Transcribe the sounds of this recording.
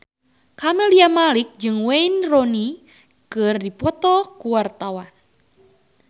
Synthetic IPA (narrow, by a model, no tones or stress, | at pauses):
kamɛliamalik̚d͡ʒɨŋweinrɔni | kɨrdipɔt̪ɔkuwart̪awan